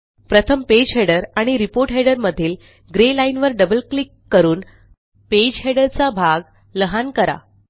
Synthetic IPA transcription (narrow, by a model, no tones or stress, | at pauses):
pɾət̪ʰəmped͡ʑɦeɽəɾaɽ̃iɾipoɾʈɦeɽəɾməd̪ʱiːl | ɡɾelainʋəɾɖəbəlklikːəɾuːn | ped͡ʑɦeɽəɾt͡sabʱaɡ | ləɦankəɾa̰